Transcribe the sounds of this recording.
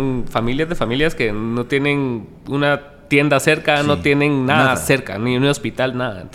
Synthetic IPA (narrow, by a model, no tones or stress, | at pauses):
nfamiljazðe̞familjaske̞no̞t̪je̞nẽ̞n | una | t̪je̞nd̪ase̞ɾkano̞t̪je̞nẽ̞nːaðase̞ɾka̰niunospit̪alnaða̰ḛnt̪